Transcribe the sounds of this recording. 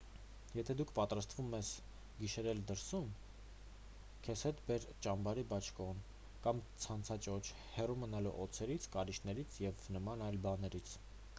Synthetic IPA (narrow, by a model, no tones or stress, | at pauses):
jɛt̪ʰɛd̪ukʰpɑt̪ɾɑst̪vumɛs | ɡiʃɛɾɛld̪əɾsum | kʰɛshɛt̪bɛɾt͡ʃɑmbɑɾibɑt͡ʃʰkɔn | kɑmt͡sʰɑnt͡sʰɑt͡ʃɔt͡ʃʰ | hɛrumənɑlṵʔɔt͡sʰɛɾit͡sʰkɑɾiʃnɛɾit͡sʰjɛvnəmɑnɑjlbɑnɛɾit͡sʰ